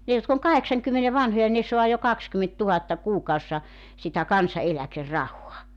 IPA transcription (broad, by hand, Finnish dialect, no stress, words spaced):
ne jotk oŋ kɑheksɑŋkymːene ʋɑnhojɑ ne soɑ jo kɑkskymentːuhɑtːɑ kuːkɑusːɑ sitæ kɑnsɑelækerːɑhoɑ